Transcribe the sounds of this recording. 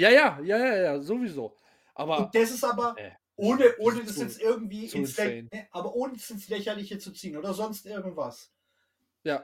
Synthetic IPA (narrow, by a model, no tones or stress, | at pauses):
jaːjaːjaːjaːjaːzoviːzoː | ʔa̰ːbɐʊd̥as̬ɪsaːbɐ | ʔoːnəʔoːnədasjɛt͡stʔɪɐɡŋ̩tv̥iːʔɪnsɛnɛʔaːbɐʔoːnədasɪnslɛçɐlɪçət͡sut͡siːənoːdɐzɔnstʔɪɐɡŋ̩tv̥as | jaː